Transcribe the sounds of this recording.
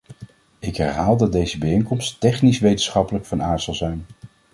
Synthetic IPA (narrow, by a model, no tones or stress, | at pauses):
ɪkɦɛɹɦaːlˠdɑd̚dejzəbəejnkɔmsttɛχnisʋejtənsχɑpələkfɑnaːɹz̥ɑlˠzɛjn